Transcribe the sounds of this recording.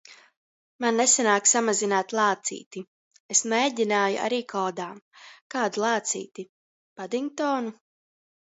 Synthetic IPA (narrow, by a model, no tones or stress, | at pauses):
manːesanaːksamazinaːt̪lˠaːt̪sḭːt̪i | esmeːɟʲinaːjṵʔa̰ɾiːkʰɔːd̪aːkaːd̪ulˠaːt̪sḭːt̪i | pad̪iŋk̚t̪ɔːnu